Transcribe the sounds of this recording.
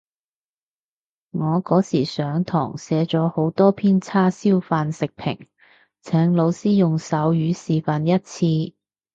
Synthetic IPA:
ŋɔː˨˧kɔː˨˥siː˨˩sœː˨˥ŋt̪ʰɔ̰ː˨˩ŋsɛː˨˧˥t͡sɔː˨˥ho˨˥wt̪ɔː˥pʰiː˥nt͡sʰaː˥siː˥wfaː˧nsɪ˨k̚pʰɪ̰˨˩ŋ | t͡sʰɛː˨˥ŋlo˨˧wsiː˥jʊ˨ŋsɐ˨˥wjyː˨˧siː˨fɐ˨njɐ˥t̚t͡sʰiː˧

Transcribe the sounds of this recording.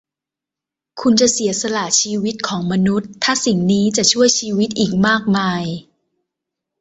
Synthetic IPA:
kʰu˧nt͡ɕa˨˩si˩˦ɐsa˧laː˨˩t͡ɕʰiː˧wi˦˥t̪̚kʰɔː˩˦ŋma˧nu˦˥t̪ʰːaː˥˩si˨˩ŋniː˦˥t͡ɕa˨˩t͡ɕʰu˥˩əjt͡ɕʰiː˧wi˦˥t̪̚ʔiː˨˩k̚maː˥˩k̚maː˧j

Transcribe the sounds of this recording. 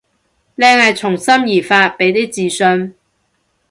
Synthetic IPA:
lɛː˧ŋhɐ˨jt͡sʰʊ˨˩ŋsɐ˥mjiː˨˩faː˧t̚pe˨˥jt̪i˥t͡siː˨˩sɵ˧n

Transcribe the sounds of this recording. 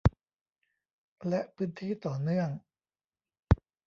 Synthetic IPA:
lɛ˦˥ʔpʰɯː˦˥nt̪ʰiː˥˩t̪ɔː˨˩nɯ˥˩əŋ

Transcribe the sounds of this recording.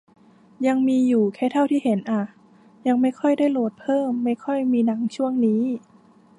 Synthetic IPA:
ja˧ŋmiː˧juː˨˩kʰɛː˥˩t̪ʰa˥˩wt̪ʰiː˥˩he˩˦nʔa˧˩ | ja˧ŋma˥˩jkʰɔ˥˩jdaː˥˩jloː˧˩t̪̚pʰɤː˥˩mːa˥˩jkʰɔ˥˩jmiː˧na˩˦ŋt͡ɕʰu˥˩əŋniː˦˥

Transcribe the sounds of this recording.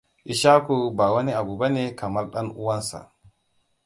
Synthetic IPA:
ʔi˨ʃa˦ku˦˨ba˨wa˦ni˦a˨bu˨ba˦ne˦ka˨ma˦lɗa˦nu˦wa˦nsa̰˨

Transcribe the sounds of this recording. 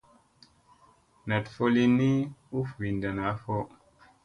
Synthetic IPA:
na˨tfo˦li˦nːi˦u˦fvi˨nda˨na˨˦fo˦

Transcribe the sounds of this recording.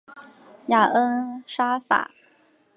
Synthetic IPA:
ja˨˩ʔə˥nʂa˥sa̰˨˩˦

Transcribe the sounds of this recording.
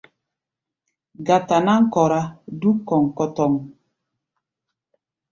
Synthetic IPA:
ɡa˨ta˨na˦ŋ̩˦kɔ˨ɾa˦du˦kɔ˨ŋ˨kɔ˦tɔ˨ŋ

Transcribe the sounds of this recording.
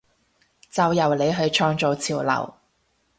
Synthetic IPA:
t͡sɐ˨wjɐ˨wle˨˧jɦɵ˨˧ɥt͡ʃʰɔː˧ŋt͡so˨wt͡sʰiː˨˩wlɐ̰˨˩w

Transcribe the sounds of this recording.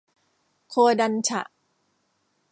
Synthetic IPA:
kʰoː˧da˧nt͡ɕʰa̰˨˩ʔ

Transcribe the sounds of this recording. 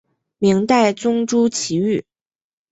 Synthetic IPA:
mi˧˥ŋt̪a˥˩ɪt͡sʊ˥ŋʈ͡ʂu˥t͡ɕʰi˧˥y˥˩

